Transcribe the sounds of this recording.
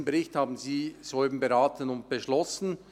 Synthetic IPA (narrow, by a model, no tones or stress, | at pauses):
n̩beɾɪçthaːbn̩ziːz̥ɔlbm̩beɾaːtənʊnt̚b̥eʃlɔsn̩